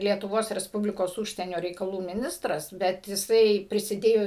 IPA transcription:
lʲiɛtʊˈʋoːs rʲɛsˈpʊbʲlʲɪkoːs ˈuːʃʲsʲiɛnʲoː rʲɛɪkɐˈlˠuː mʲɪˈnʲɪstrɐs bʲɛt jɪˈsɐɪ pʲrʲɪsʲɪˈdʲeːjoː

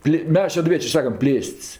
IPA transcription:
ˈpʲlʲeː ˈmʲɛs ʃʲɛdʊˈʋʲiɛt͡ʃʲeː ˈsɑːkɐm ˈpʲlʲeːsʲtʲsʲ

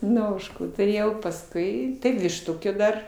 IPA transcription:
ˈnʊ ˈoːʃkuː tʊˈrʲeːjɛʊ pɐsˈkʊɪ tɐɪ ʋʲɪʃˈtʊkʲeː ˈdɐr

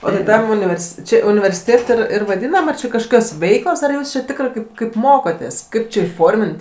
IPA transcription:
oː tɐɪ ˈtɐm ʊnʲɪʋʲɛrʲˈsʲɪ ˈt͡ʃʲɪ ʊnʲɪʋʲɛrʲsʲɪˈtʲeːt ɪr ɪr ʋɐˈdʲiːnɐm ɐr t͡ʃʲɪ kɐʃˈkoːkʲoːs ˈʋʲɛɪklˠoːs ɐr ˈjuːs t͡ʃʲɪ ˈtʲɪkrɜ ˈkɐɪp ˈkɐɪp ˈmoːkoːtʲeːs ˈkɐɪp t͡ʃʲɪ iːˈfoːrʲmʲɪnt

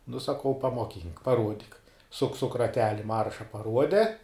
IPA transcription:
nʊ sɐˈkɐʊ pɐmoːˈkʲiːŋk pɐˈruɔdʲɪk sʊk sʊk rɐˈtʲæːlʲɪ ˈmɐrʃɐ pɐˈruɔdʲɛ

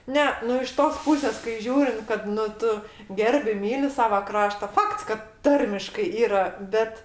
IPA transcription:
ˈnʲɛ nʊ ɪʃ ˈtoːs ˈpʊsʲeːs kɐɪ ˈʒʲuːrʲɪnt kɐt nʊ ˈtʊ ˈɡʲɛrʲbʲɪ ˈmʲiːlʲɪ ˈsɑːʋɐ ˈkrɑːʃtɐ ˈfɐkts kɐt ˈtɐrʲmʲɪʃkɐɪ ˈiːrɐ ˈbʲɛt

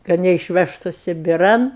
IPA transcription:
kɐt nʲɛɪʃʲˈʋʲæːʃtʊ sʲɪbʲɪˈrɐn

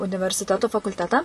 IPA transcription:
ʊnʲɪʋʲɛrʲsʲɪˈtʲæːtoː fɐkʊlʲˈtʲæːtɑː

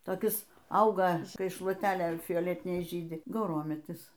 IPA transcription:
toːˈkʲɪs ˈɐʊɡɐ ˈkɐɪ ʃlˠuɔˈtʲæːlʲeː fʲoːˈlʲæːtʲɪnʲɛɪ ˈʒʲiːdʲɪ ɡɐʊˈroːmʲɛtʲɪs

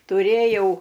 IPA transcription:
tʊˈrʲeːjɛʊ

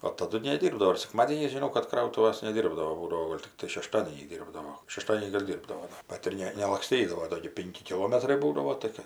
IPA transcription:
oː tɐˈdʊ nʲɛˈdʲiːrbdɐʋoː ɪr sʲɛkˈmɑːdʲeːnʲɛɪs ʒʲɪˈnɐʊ kɐt ˈkrɐʊtʊʋɐs nʲɛˈdʲiːrbdɐʋoː ˈbuːdɐʋoː ˈɡoːlʲ tʲɪkˈtɐɪ ʃʲɛˈʃtɑːdʲeːnʲɛɪs ˈdʲiːrbdɐʋoː ʃʲɛˈʃtɑːdʲiɛnʲiː ɡɐlʲ ˈdʲiːrbdɐoː ˈbɐt ɪr ˈnʲɛ nʲɛlˠɐkˈsʲtʲiːdɐʋoː ˈdoː ɡʲɪ ˈpʲɪŋʲkʲɪ kʲɪˈlˠoːmʲɛtrɐɪ ˈbuːdɐʋoː tɐɪ ˈkɜ

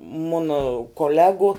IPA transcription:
ˈmʊnɐ koːˈlʲæːɡʊ

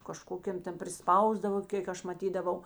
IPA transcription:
kɐˈʃkoːkʲeːm ˈtʲɛn pʲrʲɪˈspɐʊzdɐʋoː ˈkʲeːk ɐʃ mɐˈtʲiːdɐʋɐʊ

